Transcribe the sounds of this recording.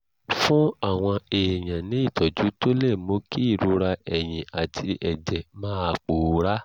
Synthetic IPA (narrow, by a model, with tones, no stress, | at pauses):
fũ˦a˦˨w̃ɔ̃˧e˨j̃ã˨nĩ˨˦i˦˨tɔ˨d͡ʒu˨˦to˦lɛ˦˨mo˧˦ki˦i˦˨ɾu˧ɾa˧ɛ˨j̃ĩ˨a˨tʰi˧ʔɛ˨d͡ʒɛ˨mãː˦˧k͡poː˨˦ɾa˦